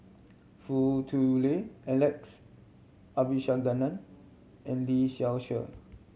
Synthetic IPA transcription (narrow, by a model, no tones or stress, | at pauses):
futʰuleɛlɛks | abiʃaɡanãn | ɛ̃nliʃɛlʃə̰